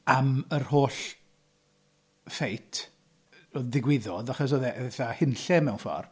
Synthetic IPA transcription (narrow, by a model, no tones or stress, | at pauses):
amərhoːɬ | fejtʰ | oðɪɡwɪðɔdaχɔs̬oðɛðeθahɪnɬɛmɛwnfɔ̰r